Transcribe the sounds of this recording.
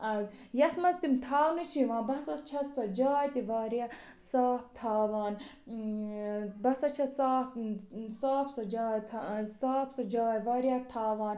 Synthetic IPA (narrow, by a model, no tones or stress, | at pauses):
ɐ | jɐt̪mɐst̪imt̪ʰaːwnut͡ʃʰiʋãːbɐsɐst͡ʃʰɐsɐd͡ʒaːjt̪iʋaːɾijɐ | saːpt̪ʰaːʋaːn | bɐsɐt͡ʃʰɐsaːpsaːpsɐd͡ʒaːjt̪ʰsaːpsɐd͡ʒaːjʋaːɾjɐt̪ʰaːʋaːn